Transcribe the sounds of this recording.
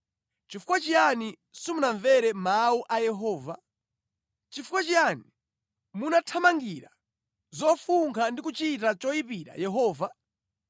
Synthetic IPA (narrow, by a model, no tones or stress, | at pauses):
t͡ʃifu̥kwat͡ʃijani | sumunaɱvɛɾɛmauʔajɛɦɔːva̰ | t͡ʃifukwat͡ʃijani | munatʰamaŋɡiɾa | zɔfuŋkʰandikut͡ʃitat͡ʃɔipiɾa̰jɛɦɔːva